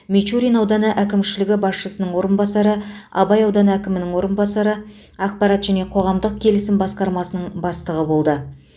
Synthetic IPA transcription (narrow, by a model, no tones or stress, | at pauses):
mʲet͡ʃuɾʲinɑwd̪ɑnəʔækʲɪmʃɪlɪɡʲɪbɑsʃəsənəɴwo̞ɾənbɑsɑɾəɑ̰bɑjɑwd̪ɑnəækʲɪmɪnɪŋwo̞ɾənbɑsɑɾə | ɑq̚pɑɾɑt̪ʒ̥æne̞qʰo̞ʁɑmd̪əq̚kʲʰe̞lɪsɪmbɑsqɑɾmɑsənəɴbɑst̪əʁəbo̞lˠd̪ə